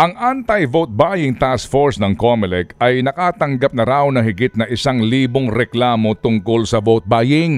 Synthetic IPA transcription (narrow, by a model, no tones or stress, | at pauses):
ʔɐŋʔant̪ɐjvowt̪̚baːjɪŋt̪askfoɹsnɐŋkomɪlɛkɐjnɐkaːt̪ɐŋɡɐp̚nɐɾawnɐŋhɪɡɪt̪̚nɐʔɪsaŋliːboŋɾɛklaːmo̞t̪ʊŋkolsɐvowt̪̚baːjɪŋ